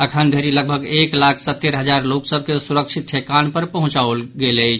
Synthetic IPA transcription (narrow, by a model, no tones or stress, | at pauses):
əkʰənd̪ʱeɾiləɡ̚bʱəɡeklakʰsət̪ːeɾɦəd͡ʒaɾloksəb̚ʱkesuɾəkʃʰit̪̚ʰekanpəɾpəɦũt͡ʃaulɡelət͡ʃʰ